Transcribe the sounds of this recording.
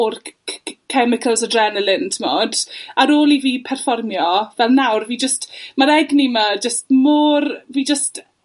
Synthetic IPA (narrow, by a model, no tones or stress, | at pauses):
rkʰɛmɪkʰəlˠsədrɛnəlɪntʰmoːdaɾoːlˠiviːpʰɛrfɔrmjɔvɛlˠnawrviːd͡ʒəstmaɾɛɡniməd͡ʒəstmoːrviːd͡ʒəst